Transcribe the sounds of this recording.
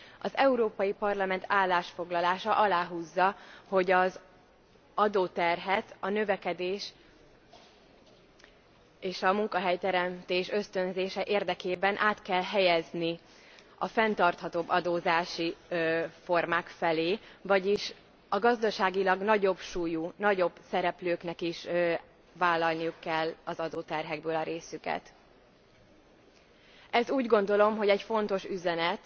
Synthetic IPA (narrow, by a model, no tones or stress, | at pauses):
ɒzɛuɾoːpɒjipɒrlɒmɛnt̪ʰaːlːaːʃfo̞ɡlɒlaːʃɒʔɒlaːɦuzːɒho̞ɟɒz | ɒd̪oːt̪ɛrɦɛt̪ɒnø̞vɛkɛd̪eːʃ | eːʃɒmuŋkɒɦɛjt̪ɛɾɛmt̪eːʃø̞st̪ø̞nzeːʃɛʔeːrd̪ɛkeːbɛnʔaːt̪kɛlɦɛjɛzni | ɒfɛnt̪ɒrt̪hɒt̪obːɒd̪oːzaːʃi | fo̞rmaːkfɛleːvɒɟiʃ | ɒɡɒzd̪ɒʃaːɡilɒɡnɒɟo̞bʃuːjunɒɟo̞bsɛɾɛpløːknɛkiʃ | vaːlːɒlnijukːɛlːɒzɒd̪oːt̪ɛrɦɛɡ̚bøːlɒɾeːsykɛ̰t̪ | ɛzuːɟɡo̞nd̪o̞lo̞mɦo̞ɟɛcfo̞nt̪o̞ʃyzɛnɛt̪